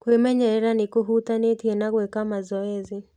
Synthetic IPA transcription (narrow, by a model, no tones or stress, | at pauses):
kwemɛɲɛɾɛɾanɪkuɦutanetienaɣwɛkamazɔezi